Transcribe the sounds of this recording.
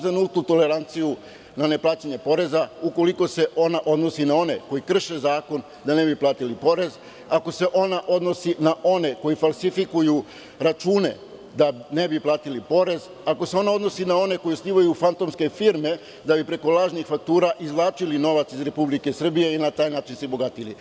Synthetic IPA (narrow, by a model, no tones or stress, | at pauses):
zanult̪nut̪o̞le̞ɾant̪siju | nane̞plaːt͡ɕeɲe̞po̞ɾe̞zauko̞liko̞se̞ʔo̞naʔo̞d̪no̞sinao̞ne̞̰ko̞jikr̩ʃe̞zaːko̞n | d̪ane̞biplaːt̪ilipo̞ɾe̞z | ako̞se̞ʔo̞naʔo̞d̪no̞sinaʔo̞ne̞ko̞jifalˠsifikuju | ɾat͡ʃuːne̞̰ | d̪ane̞biplˠaːt̪ilipo̞ɾe̞z | ako̞se̞o̞nao̞d̪no̞sinao̞ne̞ko̞josliːʋajufant̪o̞mske̞fiɾme̞ | d̪abipɾe̞ko̞lˠaːʒnixfak̚t̪uːɾaʔizlˠaːt͡ʃilino̞ʋat̪sizɾe̞publike̞sr̩bije̞inat̪aːjnaːt͡ʃinsibo̞ɡat̪ilḭ